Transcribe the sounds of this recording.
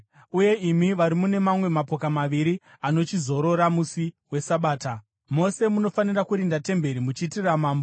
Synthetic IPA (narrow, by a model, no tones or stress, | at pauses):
uje̞imiʋaɾimune̞mamwe̞mapo̞kamaʋiɾi | ano̞t͡ʃizo̞ɾo̞ɾamusi | we̞saɓaːta | mo̞se̞muno̞fanirakuɾindate̞mbe̞ɾimut͡ʃitiramaːmbo